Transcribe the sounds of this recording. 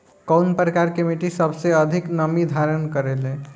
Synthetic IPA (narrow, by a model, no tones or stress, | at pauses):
kəwnpɾəkaɾkemiʈisəbseəd̪ʱiknəmid̪ʱaɾənkəɾelẽ